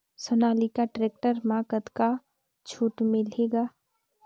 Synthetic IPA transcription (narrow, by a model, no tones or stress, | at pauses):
sənaːlikaʈɾeːk̚ʈəɾmaːkət̪ka | t͡ʃʰuːʈmẽleːɡaː